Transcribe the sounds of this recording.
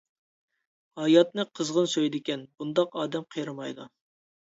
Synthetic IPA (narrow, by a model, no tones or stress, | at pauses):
hɑjɑt̪̚nɨqʰəzʁənsøjd̪ɪkʲɛnbund̪ɑqɑːd̪ɛmqʰəjɾɨmɑjd̪u